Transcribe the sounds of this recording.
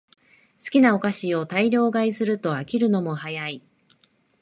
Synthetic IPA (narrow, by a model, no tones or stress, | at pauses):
sɨ̥kʲinao̞kaɕio̞t̪aiɾʲo̞ːɡaisɨɾɯ̟t̪o̞akʲiɾɯ̟no̞mo̞hajai